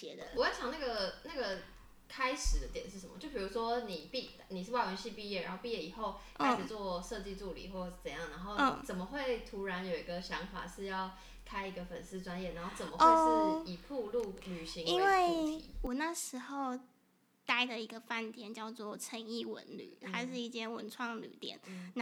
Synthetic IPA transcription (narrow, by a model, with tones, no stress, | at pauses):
t͡ɕɛ˧˥d̪ə˧wɔ˨˩jɕjɑ˨˩ŋna˥˩ɡə˨˩na˥˩ɡə˩ | kʰa˥ɪʂɻ̩˨˩d̪ə˦t̪jɛ˨˩˦nʂɻ̩˥˩ʂə˧˦mə˦t͡ɕjo˥˩ʊpʰi˨˩u˧˥ʂwɔ˦˥ni˨˩pi˥˧ | ni˨˩ʂɻ̩˥˧wa˥˩wə˧nɕi˥˧pi˥˧jɛ˥˩ɻa̰˧˥nxo˥˧ʊpi˥˧jɛ˥˩i˨˩xo˥˩ʊ | kʰa˥ɪ˩ʈ͡ʂ̩˨˩t͡swɔ˥˧ʂɤ˥˧t͡ɕi˥˧t͡su˥˩lḭ˨˩xwɔ˥˩ʂ̩˥˩t͡sə˨˩˦jɑ˥˩ŋna˧˦nxo˥˩ʊ˧t͡sə˨˩nmə˦xwe˥˩ɪt̪ʰu˧˥ɻa˧˦˥njo˨˩ʊi˧˥ɡə˧ɕjɑ˧˦˥ŋfa̰˨˩ʂɻ̩˥˧jɑ˥˩ʊ | kʰa˥ɪi˧˥ɡə˧fə˨˩nsɹ̩˥˩ʈ͡ʂwa˦njɛ˥˩na˧˥nxo˥˩t͡sə˨˩mə˦e˥˧ʂ̩˥i˨˩pʰu˥˧lu˥˩ly˨˩ɕi˧˥ŋi˥nwe˥˩ɪ˨˦wɔ˨˩na˥˩ʂɻ̩˧˥xo˥˧ʊ | t̪a˥˩ɪd̪ə˨˩i˧˥ɡə˧fa˥˩nt̪jɛ˨˩nt͡ɕjɑ˥˧ʊt͡swɔ˥˩ʈ͡ʂʰə˧˥ŋi˥˩wə̰˧˥nly̰˨˩˦xʰa˥ɪʂ̬ɻ̩˥˧i˥˩t͡ɕjɛ˥nwə˧nʈ͡ʂʰwɑ˥˩ŋ˨ly̰˨˩t̪jɛ̰˨˩˦n